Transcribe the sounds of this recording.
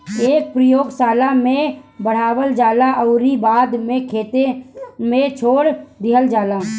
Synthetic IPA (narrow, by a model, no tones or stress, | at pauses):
eːk̚pɾəjoːɡsaːlamẽbəɽ̤aːwəld͡ʒaːlaʔəʊɾibaːd̪mẽkʰeːt̪emẽt͡ʃʰoːɽd̪ɪɦəld͡ʒaːlaː